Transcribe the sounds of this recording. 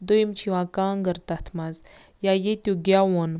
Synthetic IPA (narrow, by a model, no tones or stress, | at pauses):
d̪ojmt͡ɕʰiwãkãŋɡəɾt̪at̪ʰmaz | jajet̪juɡawon